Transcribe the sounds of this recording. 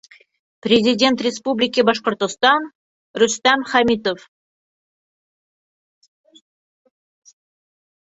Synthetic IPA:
pɾʲezʲidʲent̪rʲespublʲɪkʲibɑʃqort̪ost̪ɑn | rust̪ɑmχamʲit̪of

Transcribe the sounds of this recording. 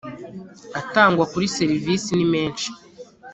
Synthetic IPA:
ataːŋɡwakuɾise̞ɾiviːsinime̞ːnʃi̥

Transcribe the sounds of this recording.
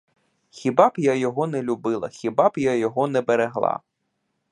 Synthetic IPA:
xʲibɑbjajɔɦɔnɛlʲubɪlˠɐ̰xʲibɑbjajɔɦɔnɛbeɾeɦlˠɑ̰

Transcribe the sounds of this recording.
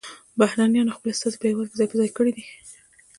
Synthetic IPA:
bahɾɑnjɑnaxpəlast̪ɑzepewaɾkzɑjpəzɑjkəɽid̪i

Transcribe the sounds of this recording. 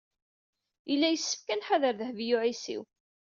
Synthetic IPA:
ilːæjəsːə̥fkænħaðəɾðəhvjuʕisḭw

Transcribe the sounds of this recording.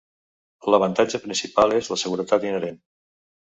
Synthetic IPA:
ləβ̞ənt̪ad͡ʒəpɾinsipalˠezləsəɣuɾət̪at̪inəɾen

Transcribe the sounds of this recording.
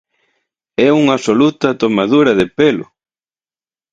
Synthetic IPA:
ɛuŋasolut̪ɐt̪omaðuɾɐðepelʊ̰

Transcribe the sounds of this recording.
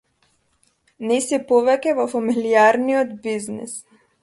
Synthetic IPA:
nɛsipɔvɛkʲɛvɔfamiliaɾniɔd̪biznḭs

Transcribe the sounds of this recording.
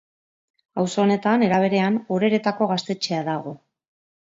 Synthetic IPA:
awso̞ːne̞t̪ane̞ɾaβ̞e̞ɾe̞anoɾe̞ɾe̞t̪ako̞ɣast̪e̞t͡ʃe̞aðaɣ̞o̞

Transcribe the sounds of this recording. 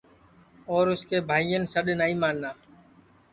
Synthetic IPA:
ɔːɾʊskeːbʱaːijənsəɗnaːĩːmaːnnaː

